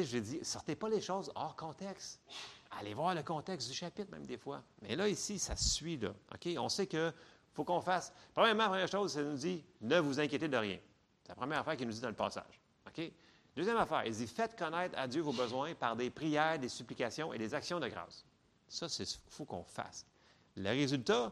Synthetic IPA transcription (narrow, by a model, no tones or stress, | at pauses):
eʒled͡zzisɔʁt̪epʌleʃɔʊzɔːʁkɔ̃t̪ɛkst̪a̰levwaːʁləkɔ̃t̪ɛksd̪yʃapɪt̪̚mɛ̃md̪eːfwa̰mɛ̰lʌisisasɥilʌ̰ɔ̰kʲeɔ̰̃sekə | fokɔ̃faspʁəmjɛʁmɑ̃lapʁəmjɛːʁʃoːzsɛnud͡zinəvuzɛ̃kʲjet̪ed̪əʁjɛ̰̃ | sɛ̥lapχəmjɛːʁafɛːʁkʲinud͡z̪id̪ɑ̃ləpɑ̰ːsa̰ːʒ | ɔkʲe | d̪øːzjɛmafɛ̰ːʁḭld͡zzifɛt̪kɔnɛɪt̪χa̰d͡zzjøvobəzwɛ̃paʁd̪epʁijɛːʁd̪esyplikasjɔ̃ḛd̪ezaksjɔ̃d̪əɡʁɑ̰ːs | sʌsɛsfokɔ̰̃fa̰s | ləʁezylt̪a